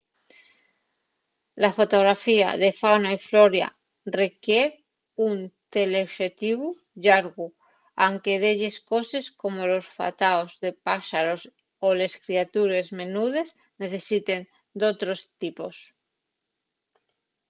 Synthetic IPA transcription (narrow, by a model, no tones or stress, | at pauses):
lafot̪oɣ̞ɾafia̰ðefawnaifloɾja̰ | rekjeɾ | unt̪eleoʃet̪iβ̞u | ʎaɾɣu | aŋkeðeʎesko̞se̞sko̞molosfa̰t̪aozðepaʃaɾos | ole̞skɾiat̪uɾe̞zme̞nuð̞e̞s | ne̞θe̞sit̪en | d̪ot̪ɾost̪ipos